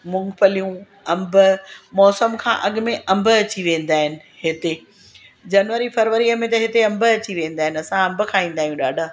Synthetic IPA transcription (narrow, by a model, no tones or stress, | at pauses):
mʊ̃ŋɡpɐlijũ | ɐ̃mbʊmɔːsəmkʰã̰ːʔɐɠʊ̆mẽʔɐ̃mbəɐt͡ɕiʋẽːn̆d̪aːɦɪnɪ̆hɪt̪e | d͡ʑɐnʋəɾifɐɾʋəɾiəmẽt̪ɐɦɪt̪eɐ̃mbə̆ɐt͡ɕiʋẽːn̆d̪aːɦɪnɪɐsãɐ̃mbʊ̆kʰãːĩːn̆d̪aːijũɗa̰ːɖʱa